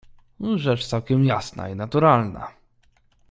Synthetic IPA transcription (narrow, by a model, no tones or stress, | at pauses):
ʐɛt͡ʂt̪sawkʲɛmjasna̰inat̪uɾalna̰